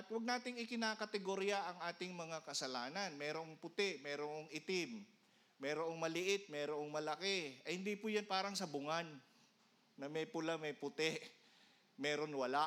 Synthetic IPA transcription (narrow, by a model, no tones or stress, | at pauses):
ʔɐt̪wɐɡ̚naːt̪ɪŋɪkɪnaːkɐt̪ɛɡoɾɪjaʔɐŋʔaːt̪ɪŋmɐŋakɐsɐlaːnɐnmɛːɾoʔŋpʊt̪ɛʔmɛːɾoŋoŋʔɪt̪ɪmː | ɛːɾoʔoŋmɐlɪʔɪt̪̚mɛːɾoʔoŋmɐlɐkɛʔɐjhɪnd̪iːpʊjanpaːɾɐŋsɐbʊŋanː | ɐmɛjpʊlamɐjpʊt̪ɛʔ | mɛːɾo̞nwɐla